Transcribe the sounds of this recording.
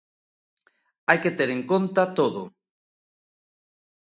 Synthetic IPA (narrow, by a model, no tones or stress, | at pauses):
ajket̪eɾeŋkont̪at̪oðʊ